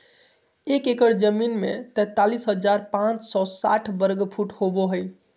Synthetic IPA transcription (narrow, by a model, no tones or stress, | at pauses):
ekekəɾd͡ʒəminmḛt̪ɛt̪ːalisɦəd͡ʒaɾpãt͡ʃsɔsa̰ʈʰbəɾɡpʰuʈhoboɦəj